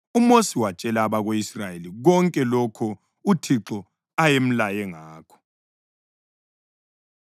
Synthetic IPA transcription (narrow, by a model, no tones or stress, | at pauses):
umosiwat͡ʃʼɛlaːβaɣoisrajeliɣɔŋkʼɛlokʰɔ | utʰiǁɔ | ajem̩lajɛŋaːkʰɔ̥